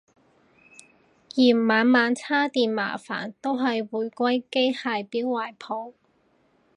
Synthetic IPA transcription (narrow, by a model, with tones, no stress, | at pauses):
jiː˨˩maː˨˥nmaː˨˧˥nt͡sʰaː˥t̪iː˨nma̰ː˨˩fa̰ː˨˩nt̪o˥wɦɐ˨jwuː˨˩jkʷɐ˥jke˥jhaː˨jpiː˨˥wːaː˨jpʰo˨˧w